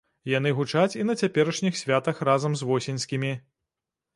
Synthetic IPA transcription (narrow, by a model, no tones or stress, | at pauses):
jan̪ɨɣut͡ʂat͡sʲinɐt͡sʲapʲɛɾɐʂnʲixsʲvʲat̪ɐxrazɐmzvɔsʲinʲsʲkʲimʲi